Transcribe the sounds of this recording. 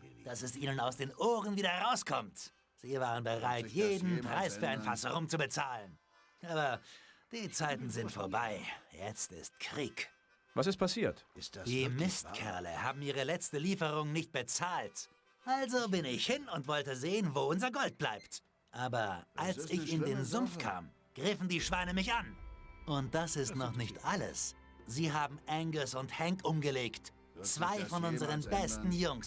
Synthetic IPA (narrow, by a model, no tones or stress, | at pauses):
d̥asɛsʔiːnənaʊsd̥eːnʔoːʁənviːdɐʁaʊskʰɔmt | z̥iːvaːʁənbəʁaɪtjeːdn̩pʁ̥aɪsfyːɐaɪnfasəʁʊmt͡subət͡saːlən | ʔaːbɐd̥iːt͡saɪtn̩zɪntfoːɐbaɪjɛ̰t͡stɪ̰stkʁ̥iːk | vasɪstpʰasiːɐtd̥iːmɪst̚kʰɛ̰ɐlə̰haːbm̩iːʁ̞əlɛt͡stəliːfəʁʊŋnɪçt̚b̥ət͡saːlt | ʔalzobɪnɪçhɪnʊntv̥ɔltəzeːənvoːʊnzɐɡɔlt̚b̥la̰ɪpt | ʔaːbɐʔalsɪçɪndeːnzʊmfkʰa̰ːm | ɡ̥ʁɪfn̩diːʃv̥aɪnəmɪçʔanʔʊnt̚d̥asɪstnɔχnɪçtʔalə̰s | z̥iːɦaːbm̩ʔɛŋɡəsʊnthɛŋkʔʊmɡəleːkt | t͡sv̥aɪfɔnʔʊnzəʁənbɛstn̩jʊŋs